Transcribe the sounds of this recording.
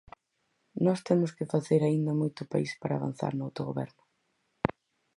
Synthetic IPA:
nɔst̪emʊskɪfaθeɾaind̪ɐmojt̪ʊpa̰ispaɾa̰ːβa̰n̟θa̰ɾnʊawt̪oɣoβɛ̰ɾnʊ

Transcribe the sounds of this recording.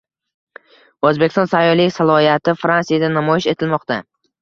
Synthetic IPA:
ozbekʲɪst̪ɒnsajɒlijsalˠɒijat̪ʰɪfɾansijad̪anamɒjɪʃe̞t̪ʰɪlmɒqt̪a

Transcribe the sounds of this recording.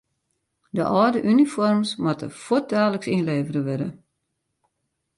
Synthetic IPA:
dəʔɔːdəʔynifɔrmsmatə̰fot̚daːləksinleːvərəʋɪdə̰

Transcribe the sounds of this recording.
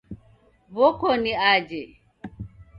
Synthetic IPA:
βɔkɔniad͡ʒɛ

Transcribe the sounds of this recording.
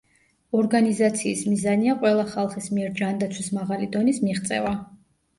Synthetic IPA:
ɔɾɡanizat̪sʰiːsmizaniaqʼwɛlˠaχalˠχismiɛɾd͡ʒand̪at̪sʰwismaʁalid̪ɔnismiʁt̪sʼɛ̰va

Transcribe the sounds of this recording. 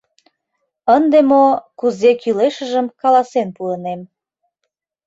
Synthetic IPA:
ənd̪emokuzekyleʃəʒəmkɑlɑsenpuənem

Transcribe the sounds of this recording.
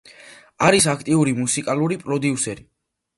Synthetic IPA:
aɾisakʰt̪ʼiuɾimusikʼaluɾipʼɾɔd̪iusɛɾi

